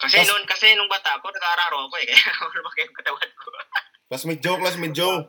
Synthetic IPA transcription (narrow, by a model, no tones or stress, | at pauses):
kɐsɛnʊnkɐsɛnʊŋbaːt̪aʔkonɐɡaɐɾaːɾowɐkoɛkɐjawanpakɪʊŋkɐt̪ɐwad̪̚ko | lasmɛd͡ʒowklasmɪd͡ʒow